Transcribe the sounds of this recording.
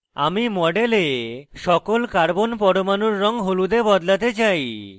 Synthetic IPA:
a̰mimɔɖeleʃɔkolkaɾbonpɔɽomanuɾːɔŋɦolud̪ebɔd̪lat̪et͡ɕaj

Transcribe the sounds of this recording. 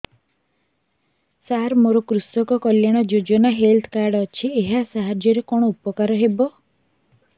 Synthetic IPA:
saɾmoɾɔkɾusɔkɔkɔljaɽ̃ɔd͡ʒod͡ʒɔnaɦelt̪ʰkaɾɖːt͡ʃʰieɦasaɦad͡ʒjɔɾekɔɽ̃ɔupɔkaɾɔɦebɔ

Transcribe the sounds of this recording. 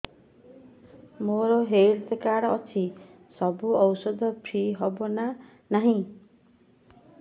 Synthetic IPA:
moɾoɦeɾt̪ekaɾʌt͡sʰi | sʌbuʌwsʌd̪ʌpʰiɦʌbona | naɦĩ

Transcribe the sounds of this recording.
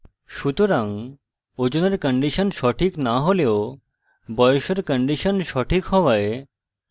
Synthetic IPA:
ʃut̪oɾaŋ | od͡ʑoneɾkəɳɖiʃənʃɔʈʰiknaɦoleo | bɔjoʃeɾkəɳɖiʃənʃɔʈʰikɦɔʋae

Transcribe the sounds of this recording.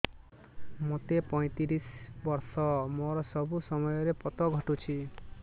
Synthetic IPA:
mot̪epɔj̃t̪iɾisbɔɾsɔmoɾɔsɔbusɔmɔjɔɾepɔt̪ɔɡʱɔʈut͡ʃʰi

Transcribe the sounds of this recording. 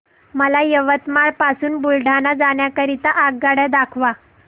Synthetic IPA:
məlajəʋət̪maɭpasuːnbulɖʱanad͡zaɳjakəɾit̪aʔaɡɡaɽjad̪akʰʋa

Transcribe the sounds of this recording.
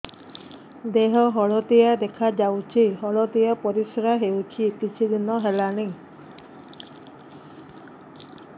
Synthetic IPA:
d̪eɦɔɦɔɭɔt̪ijad̪ekʰad͡ʒawt͡ʃʰiɦɔɭɔt̪ijapɔɾisɔɾaɦewt͡ʃʰipit͡ʃʰid̪inɔɦelanej

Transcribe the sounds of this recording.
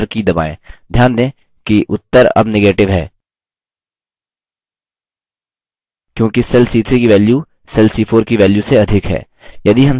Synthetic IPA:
ɾkid̪ɐba̰ːḛ̃ːd̪ʱjaːnd̪ẽː | kiʔʊt̪ːəɾɐ̰bneɡeːʈɪʋɦɛː | kjõːkisɛlsiːt̪ʰɾikiʋɛːlju | sɛlsiːfʰoːɾkiʋɛːljuseɐd̪ʱɪkɦɛ̰ː | jɐd̪iɦɐm

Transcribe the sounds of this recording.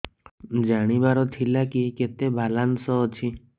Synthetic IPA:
d͡ʒaɽ̃ibaɾɔt̪ʰilakiket̪ebʱalansɔt͡ʃʰi

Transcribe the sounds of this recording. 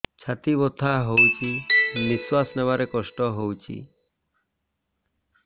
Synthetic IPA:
t͡ʃʰat̪ibɔt̪ʰaɦowt͡ʃʰimiswasnɛbaɾekɔsʈɔɦowt͡ʃʰḭ

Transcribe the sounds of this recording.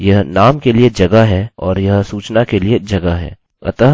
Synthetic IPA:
jɐɦnaːmkelied͡ʒɐɡaɦɛːɔːɾjɐɦsuːt͡ʃnakelied͡ʒɐɡaɦɛ̰ː | ɐ̰t̪əɦ

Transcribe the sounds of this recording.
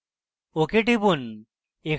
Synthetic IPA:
okeʈibun | ek

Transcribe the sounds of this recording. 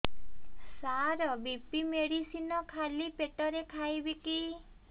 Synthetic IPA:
saɾɔbipimeɽisinɔkʰalipeʈɔɾekʰajbiki

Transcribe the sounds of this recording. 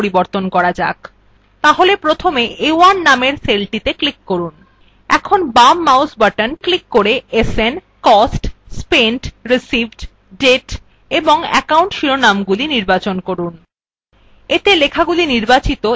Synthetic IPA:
ɾiboɾt̪onkɔɾad͡ʑa̰k | t̪aɦolepɾot̪ʰomeʔewanːameɾselʈit̪eklikːoɾun | ɛ̰kʰonbamːawsbaʈənklikːoɾeesen | kɔsʈspeɳʈɾisibʱɖ | ɖeʈ | eboŋɛ̰kauɳʈʃiɾonamɡuliniɾbat͡ɕonkoɾun | et̪elekʰaɡuliniɾbat͡ɕit̪o

